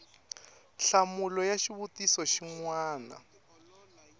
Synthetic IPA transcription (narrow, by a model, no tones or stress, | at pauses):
ɬamulɔjaʃiβutisɔʃiŋwaːna̰